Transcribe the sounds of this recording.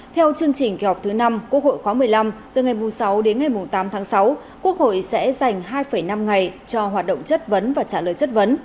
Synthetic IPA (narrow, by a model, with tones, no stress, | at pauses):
t̪ʰɛ˧wt͡ɕɨ˧əŋt͡ɕï˨˩ŋ̟ke˨˦hɔ˨˩k͡p̚t̪ʰɨ˨˦na˧mku˦˥ək̚ho̰˧˨jxwaː˨˦mɨ˨˩əjla˧mt̪ɨ˨˩ŋa˨˩jmʊ˨˩sa˨˦wɗe˨˦nŋa˨˩jmʊ˨˩ŋ͡mt̪aː˨˦mt̪ʰaː˨˦ŋsa˨˦w | ku˦˥ək̚ho̰˧˨jsɛ̰˧˥za˨˩jŋ̟ɦaː˧jfə˧˩jna˧mŋa˨˩jt͡ɕɔ˧ɦwaː˨˩t̚ɗə̰˧˨ŋ͡mt͡ɕə˦˥t̚və˨˦nvaː˨˩t͡ɕaː˧˩ləː˨˩jt͡ɕə˦˥t̚və˨˦n